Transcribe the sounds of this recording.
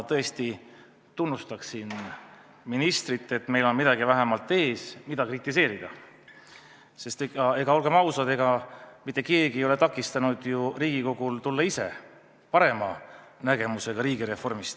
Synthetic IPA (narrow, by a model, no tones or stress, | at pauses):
t̪ɤ̞e̞st̪i | t̪unːust̪ɑksin | minist̪rit̪ːˑe̞t̪ːˑme̞jlo̞nmid̪ɑɡivæɦemɑlt̪ːˑe̞ːsmid̪̥ɑkrit̪ːˑise̞ːɾid̪̥ɑ̰ | se̞st̪eɑe̞ɡ̥ɑo̞lɡ̥emɑwsɑd̪e̞ɡɑmit̪ːˑeke̞ːɡiejo̞le̞t̪ɑkːˑist̪ɑnud̪̥juriːɡ̥iko̞ɡ̥ult̪ulːɑise̞̰ | pɑɾe̞mɑ | næɡ̥e̞muse̞ɡ̥ɑɾiːɡiɾe̞fo̞rmist̪